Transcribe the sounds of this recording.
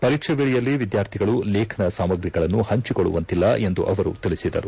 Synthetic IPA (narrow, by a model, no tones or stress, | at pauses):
pɐɾiːkʂɛʋeːɭijɐlːiʋid̪jaːɾt̪ʰiɡɐɭulɛːkʰɐnɐsaːmɐɡɾiɡɐɭɐnːuhɐɲt͡ʃikoɭːṵʋɐnt̪ilːɐe̞nd̪uʔɐʋɐɾṵt̪iɭisid̪ɐ̰ɾu